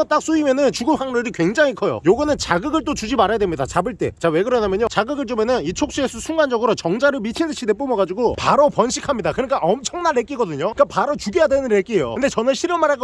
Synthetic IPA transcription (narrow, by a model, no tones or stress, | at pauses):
t͈ak̚s͈uimenɯnt͡ɕuɡuhaŋɾɯɾikwe̞ŋd͡ʑaŋikʰʌjo̰joɡɯnɯnt͡ɕaɡɯɡɯɭt͈ot͡ɕud͡ʑimaɾajadwemɲidat͡ɕabɯɭt͈e̞̰t͡ɕawe̞ɡɯɾʌnamjʌɲot͡ɕaɡɯɡɯɭt͡ɕ͈ome̞nɯnit͡ɕʰok̚ɕ͈iesʰʌsʰuŋɡand͡ʑʌɡɯɾot͡ɕʌŋd͡ʑaɾɯɭmit͡ɕʰinɯɕʰid̪e̞p͈omʌɡad͡ʑuɡopaɾopʌnɕʰikʰamɲidakɯɾɲik͈aʔʌmt͡ɕʰʌŋnaɭːek͈iɡʌdɯɲoik͈apaɾot͡ɕuɡijadwe̞nɯnɾek͈iejo̰kɯnd̪e̞t͡ɕʌnɯnɕʰiɾjʌmaɾaɡ